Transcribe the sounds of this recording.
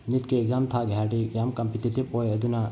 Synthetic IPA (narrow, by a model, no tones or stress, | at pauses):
nit̪keːɡzamt̪ʰaɡʱaːʈijaːmkɐmpit̪ʰit̪ʰipojɐd̪una